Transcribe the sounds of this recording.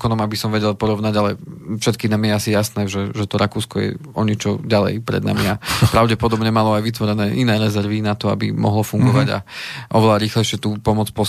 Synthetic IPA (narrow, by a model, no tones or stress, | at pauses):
kɔnɔmabisɔmʋɛɟɛlpɔɾɔʊnaɟalɛfʃɛt̪̚kiːnamjɛasijasnɛːʒɛʒɛt̪ɔɾʔakuːskɔjɛ̰ɔɲɛt͡ʃɔɟalɛ̰jpɾɛ̰d̪na̰miapɾaʊɟɛpɔd̪ɔbɲɛmalɔajʋit̪ʋɔɾɛnɛːʔinɛːɾɛzɛɾʋinat̪ɔa̰bḭmɔ̰ɦlɔfuŋɡɔʋaɟa̰ʔɔʋɛlaɾiːxlɛjʃɪɛt̪uːpɔmɔt͡spɔ